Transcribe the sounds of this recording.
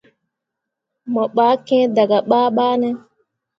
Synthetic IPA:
mɔ˨ɓaː˦kɛ̃˦d̪a˨ɡa˨ɓaː˦ɓaː˦nɛ˦

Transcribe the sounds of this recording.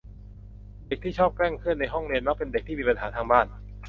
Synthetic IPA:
de˨˩k̚t̪ʰiː˥˩t͡ɕʰɔː˥˩p̚kɛ˥˩ŋkʰɯ˥˩ənːa˧jɦɔ˥˩ŋɾi˧nma˦˥k̚pe˧nde˨˩k̚t̪ʰiː˥˩iː˧pa˧nɦaː˩˦t̪ʰaː˧ŋbaː˥˩n

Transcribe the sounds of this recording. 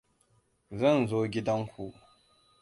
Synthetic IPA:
zɐ˦˨nzoː˦ɡʲɪ˦dɐ˦ŋkʷu˨ʔ

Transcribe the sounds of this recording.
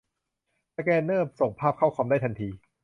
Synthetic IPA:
a˧kɛː˧nːɤː˥˩m̚so˨˩ŋpʰaː˥˩p̚kʰa˥˩wkʰwaː˧mdaː˥˩t̪ʰa˧nt̪ʰiː˧

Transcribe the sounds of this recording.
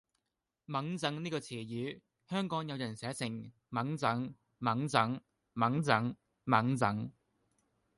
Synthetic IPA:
mɐ˨˥ŋt͡sɐ˧ŋniː˥kɔː˧t͡sʰiː˨˩jyː˨˧ | hœː˥ŋkɔː˨˥ŋjɐ˨˧wjɐ˨˩nsɛː˨˥sɪ˨˩ŋ | mɐ˨˥ŋt͡sɐ˨˥ŋ | mɐ˨˥ŋt͡sɐ˨˥ŋ | mɐ˨˥ŋt͡sɐ˨˥ŋ | mɐ˨˥ŋt͡sɐ˨˥ŋ

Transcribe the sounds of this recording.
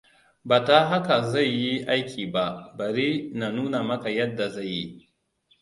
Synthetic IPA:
baː˨ta˦ɦa˦ka˨za˦˨jːi˦ʔa˦jkʲʰiː˨ba˦bɐ˨ɾi˦na˨nuː˦na˨mɐ˦ka˨jɐ˦dːa˨za˦˨jːḭ˦

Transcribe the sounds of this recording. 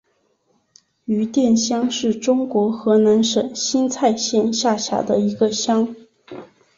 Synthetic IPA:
y˧˥t̪jɛ˥˩nɕjɑ˥ŋʂɻ̩˥˩ʈ͡ʂʊ˥ŋkwɔ˧˥xɤ˧˥na˧˥nʂə˨˩ŋɕi˥nt͡sʰa˥˧ɪɕjɛ˥˧nɕja˥˩ɕja̰˧˩˥d̪ə˧i˧˥ɡə˧ɕjɑ˥ŋ

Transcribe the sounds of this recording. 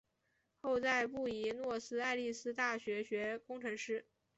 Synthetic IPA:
xo˥˧ʊt͡sa˥˧ɪpu˥˩i˧˥nwɔ˥˩sɹ̩˥a˥˧ɪli˥˩sɹ̩˥t̪a˥˩ɕɥɛ˧˥ɕɥɛ˧˥kʊ˥ŋʈ͡ʂʰɤ˧˥ŋʂɻ̩˥˩

